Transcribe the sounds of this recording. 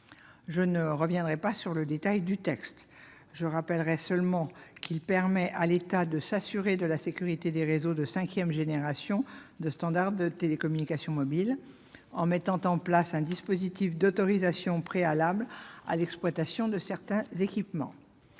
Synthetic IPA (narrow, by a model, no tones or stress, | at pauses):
ʒənəʁəvjɛ̃d̪ʁɛpasyʁləd̪et̪ajd̪yt̪ɛkst̪ | ʒəʁapɛlʁɛsœlmɑ̃kʰilpɛʁmɛʔalet̪ad̪əsasyʁed̪əlasekʲyʁit̪ed̪eʁezod̪əsɛ̃kʲjɛmʒeneʁasjɔ̃d̪əst̪ɑ̃d̪aʁdd̪ət̪elekɔmynikasjɔ̃mɔbil | ɑ̃mɛt̪ɑ̃t̪ɑ̃plasɛ̃d̪ispozit̪ifd̪ɔt̪ɔʁizasjɔ̃pχealabla̰lɛksplwat̪asjɔ̃d̪əsɛʁt̪ɛ̃zekʲipmɑ̰̃